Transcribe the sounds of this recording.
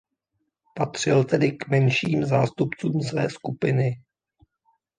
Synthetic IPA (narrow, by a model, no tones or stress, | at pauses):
pat̪r̝̥ɪlt̪ɛdɪkmɛnʃiːmzaːst̪upt͡suːmsvɛ̰ːskupɪnɪ